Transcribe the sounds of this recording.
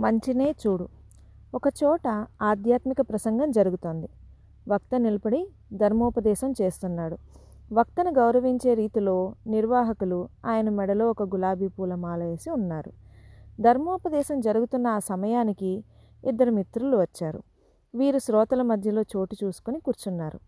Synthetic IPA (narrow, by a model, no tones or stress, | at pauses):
mɐɲt͡ʃine̞ːt͡ʃuːɽu | ɔkɐt͡ʃɔːʈɐaːd̪jaːt̪mikɐpɾɐsɐŋɡɐmd͡ʒɐɾuɡut̪o̞ːnd̪i | ʋɐk̚t̪ɐnilɐpɐɽi | d̪ʱɐɾmɔːpɐd̪ɛːʃɐmt͡ʃe̞ːst̪unːaːɽu | ʋɐk̚t̪ɐnuɡɐwɾɐʋiɲt͡ʃe̞ːɾiːt̪ilo̞ːniɾʋaːɦɐkuluaːjɐnɐmɛɽɐlo̞ːɔkɐɡulaːbʱiːpuːlɐmaːlɐeːsiunːaːɾud̪ʱɐɾmɔːpɐd̪ɛːʃɐmd͡ʒɐɾuɡut̪unːɐaːsɐmɐjaːniki | id̪ːɐɾumit̪ɾuluʋɐt͡ʃːaːɾṵ | ʋiːɾusɾɔːt̪ɐlɐmɐd̪ʱjɐlo̞ːt͡ʃo̞ːʈit͡ʃuːsu̥kunikuːɾt͡ʃunːaːɾu